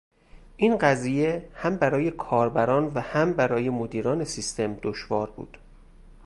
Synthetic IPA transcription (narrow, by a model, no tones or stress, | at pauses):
ʔiːnɢæziːje̞hæmbæɾɒːje̞kʰɒːɾbæɾɒːnvæhæmbæɾɒːje̞mod̪iːɾɒːne̞sist̪ʰe̞md̪oʃvɒːɾbṵːd̪̥